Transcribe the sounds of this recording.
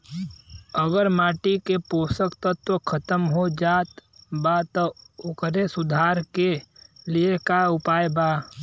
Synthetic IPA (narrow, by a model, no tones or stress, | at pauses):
əɡəɾmaːʈikepoːsəkt̪ɔt̪okʰət̪əmɦod͡ʒaːt̪bat̪ɔʊkɾesʊd̪ʱaːɾkeliekaʊpaːjbaː